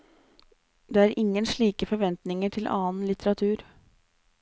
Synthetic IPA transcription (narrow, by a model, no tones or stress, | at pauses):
d̪eːæːɾʔɪŋːənʂɭiːkəfɔɾʋɛnt̪nɪŋəʈʰɪlʔɑ̰ːnlɪt̪əɾɑt̪ʰʉːɾ